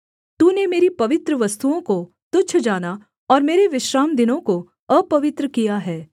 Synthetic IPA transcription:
t̪uːnemeːɾipɐʋɪt̪ɾəʋɐst̪uõko | t̪ʊt͡ʃʰd͡ʒaːna | ɔːɾmeːɾeʋɪʃɾaːmd̪ɪnõko | əpɐʋɪt̪ɾəkijaɦɛː

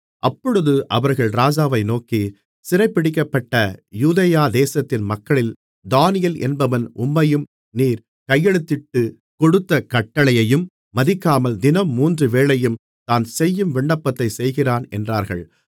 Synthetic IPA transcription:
ʔɐpːɔɻɯðɯʔɐʋɐɾɣɐɭɾaːd͡ʒaːʋɐɪnoːki | sɪrɐɪpːɪɽɪkːɐpːɐʈːɐjuːðɐjaːd̪eːsɐt̪ːɪnmɐkːɐɭɪl | d̪aːnɪjɐlʔɛ̰nbɐʋɐnʊmːɐjɯm | niːɾ | kɐjːɛɽɯt̪ːɪʈːɯ | kɔɽɯt̪ːɐkɐʈːɐɭɐjɐjɯmː | ɐðɪkːaːmɐld̪ɪnɐmːuːndrɯʋeːɭɐjɯm | t̪aːnsɛjːɯmʋɪɳɖɐpːɐt̪ːɐɪsɛjɣɪraːnɛ̰ndraːɾɣɐ̰ɭ

